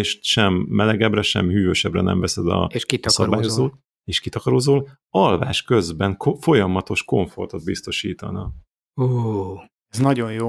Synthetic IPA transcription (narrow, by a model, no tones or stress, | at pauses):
eʃʃɛmːɛlɛɡɛbrɛʃɛ̰mhyːvøːʃɛbrɛnɛ̰ɱvɛsɛd̪ɒ̰ʃkit̪sɒbaːjozoːt̪ | eːʃkit̪ɒkɒɾoːzoːl | ɒlvaːʃkø̞zbɛŋkfo̞jɒmɒt̪o̞ʃko̞ɱfo̞rt̪od̪̚bist̪o̞ʃiːt̪ɒ̰nɒ | uː | ɛznɒɟo̞njoː